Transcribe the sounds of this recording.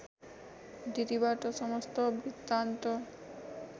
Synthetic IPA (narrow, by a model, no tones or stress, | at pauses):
d̪it̪ibaɾʈ̪oʃɔmost̪obɾit̪ːant̪o